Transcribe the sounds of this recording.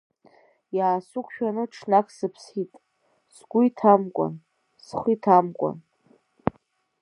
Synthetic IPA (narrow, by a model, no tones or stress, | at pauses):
jaːsukʷʰʼʃᶣanɨʈ͡ʂʰnakʰsɨpʰsitʼ | sɡ̥ʷʊitʰamkʷʼa̰n | sχʷitʰamkʷʼa̰n